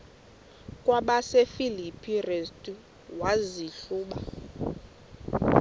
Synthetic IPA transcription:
kʼwaɓasefilipʰʼirestʼu | waziɬuːɓa̰

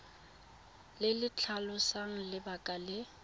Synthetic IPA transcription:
lɪlɪt͡ɬʰalʊsaŋ̩lɪbakʼalɪ

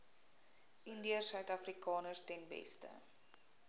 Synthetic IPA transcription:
ʔəndiəsœɥtɐfrikɑːnəstɛnbɛ̰stə̰

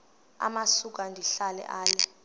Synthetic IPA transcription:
a̰masuk̬andʱiɬalɛ̰ʔaːlɛ

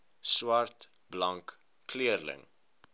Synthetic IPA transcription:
swɐrt | blɐŋkː | liərlə̰ŋ

